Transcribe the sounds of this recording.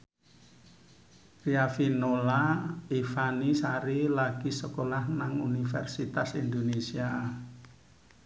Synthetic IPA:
riafinolaifanisaɾilaɡ̥isəkolahnaŋunifɛ̰rsit̪asind̪onesia

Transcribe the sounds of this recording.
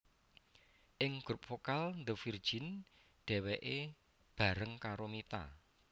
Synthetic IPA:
ʔɪŋɡ̥ɾʊp̚fokalnd̪əfird̥ʒ̥ɪ̤n | ɖ̥ɛ̤wɛʔe | b̥a̤ɾəŋkaɾomit̪a̰

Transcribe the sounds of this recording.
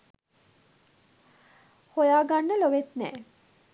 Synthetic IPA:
hojaːɡanːəloʋet̪nɛː

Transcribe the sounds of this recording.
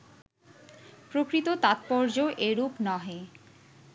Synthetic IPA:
pɾokɾit̪ot̪at̪̚pɔɾd͡ʑoʔeɾupnɔɦe

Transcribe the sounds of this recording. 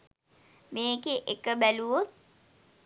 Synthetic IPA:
meːkeʔekəbæluʋot̪̚

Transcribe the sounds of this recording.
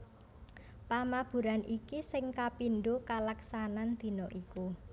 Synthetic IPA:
pamab̥ṳɾanʔikisɪŋkapinɖokalaksanand̪̥i̤nɔʔiku

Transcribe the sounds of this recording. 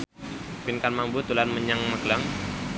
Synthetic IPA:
pinkanmambut̪ulanməɲaŋməɡlaŋ

